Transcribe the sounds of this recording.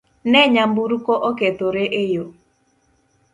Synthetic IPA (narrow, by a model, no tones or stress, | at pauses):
nɛɲambuɾukɔʔɔkɛt̪oɾeʔejo